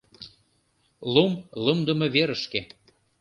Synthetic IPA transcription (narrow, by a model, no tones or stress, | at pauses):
lumlɤmd̪ə̆meβeɾəʃke